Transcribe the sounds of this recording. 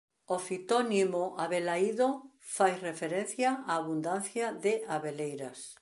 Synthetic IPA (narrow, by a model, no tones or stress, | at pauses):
ofit̪onimoʔaβelaiðo | fajrefeɾenθjaaːβund̪anθjaðeʔaβelejɾas